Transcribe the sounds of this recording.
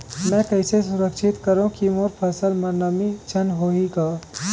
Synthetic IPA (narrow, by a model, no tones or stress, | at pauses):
mɛ̃kɐɪsesʊɾəkʃɪt̪kəɾõkimoːɾpʰɐsəlmɐɾnəmit͡ʃʰɐnɦoːɦiɡaː